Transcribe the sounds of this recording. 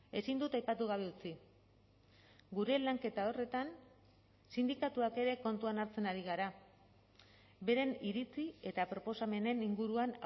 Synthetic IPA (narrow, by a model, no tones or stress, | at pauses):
e̞sind̪ut̪ajpat̪uɣ̞aβ̞e̞ut͡si | ɡuɾe̞laŋke̞t̪ao̞re̞t̪an | sind̪ikat̪uake̞ɾe̞ko̞nt̪uanaɾt͡se̞naɾiɣ̞aɾa | be̞ɾe̞niɾit͡sie̞t̪apɾo̞po̞same̞ne̞niŋɡuɾuan